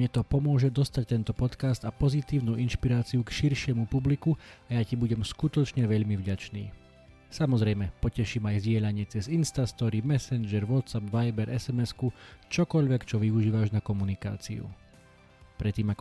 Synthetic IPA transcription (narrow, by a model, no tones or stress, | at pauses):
mɲɛt̪ɔpɔmʊɔʒɛd̪ɔst̪ac̚t̪ɛnt̪ɔpɔt̪kast̪apɔzit̪iːʊnuːʔinʃpiɾaːt͡siukʃiɾʃɪɛmupublikuajacibuɟɛmskut̪ɔt͡ʃɲɛʋɛʎmivɟat͡ʃnḭː | samɔzɾɛjmɛpɔcɛʃiːmajvzɟɪɛʎaɲɪɛt͡sɛzinst̪ast̪ɔɾimɛsɛnd͡ʒɛɾʋɔt̪sapʋajbɛɾʔɛsɛmɛskut͡ʃɔkɔʎʋɛkt͡ʃɔʋiuʒiːʋaʒnakɔmunika̰ːt͡sḭṵ | pɾɛt̪ːiːmak